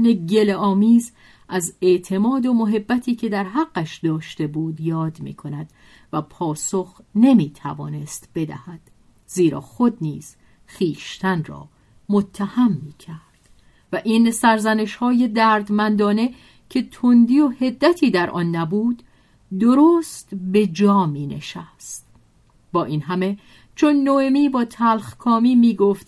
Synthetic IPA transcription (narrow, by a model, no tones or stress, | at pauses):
neɟe̞leɒːmiːz | ʔæze̞ʔt̪ʰe̞mɒːd̪omoɦe̞bːæt̪ʰiːcʰe̞d̪æɾɦæɢ̥ːæʃd̪ɒːʃt̪e̞buːd̪jɒːd̪mḭːkʰo̞næd̪ | væpʰɒːso̞xne̞miːt̪ʰæ̰vɒ̰ːnest̪b̥e̞d̪æ̰hæd̪̥ | ziːɾɒ̰ːxo̞d̪̚niːz̥ | χiːʃt̪ʰænrɒ̰ː | mot̪ʰːæhæmːiːcʰæɾd̪̥ | væʔiːnsæɾzæne̞ʃhɒːje̞d̪æːɾd̪mænd̪ɒːne̞ | cʰe̞t̪ʰond̪iːohe̞d̪ːæt̪ʰiːd̪æɾʔɒ̰ːnːæbuːd̪ | d̪oɾoːst̪be̞d͡ʒɒːmiːne̞̰ʃæst̪ | bɒːʔiːnɦæme̞ | t͡ʃʰonːoe̞miːbɒːt̪ʰælχkʰɒːmiːmiːɡoft̪